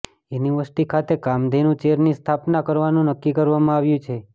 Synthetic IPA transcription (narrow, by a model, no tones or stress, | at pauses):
uniʋəsʈikʰat̪ekamd̪ʱenũt͡ʃeɾnist̪ʰapnakəɾʋanũnəkːikəɾʋamãaʋjũt͡ʃʰe